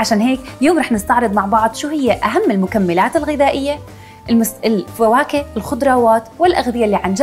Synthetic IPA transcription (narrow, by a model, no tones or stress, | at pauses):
ʕaʃaːnɦeːkjoːmɾˤɑːħnɪst̪ɑʕɾɨd̪ˤmaʕbɑʕd̪ˤʃuːhɪjːaʔaɦamːɪlmʊkamːɪlaːt̪ɪlɣɪðaːʔɪjːa | ʔɪmʊɪlfawaːkɪɪlxʊd̪ɾˤɑːwaːt̪wɪlʔaɣðɪjaʔlːiːʕand͡ʒ